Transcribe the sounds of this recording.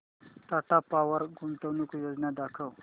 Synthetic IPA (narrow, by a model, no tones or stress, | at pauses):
ʈ̪aʈapawəɾɡunt̪əwnukujod͡ʒnad̪akʰəw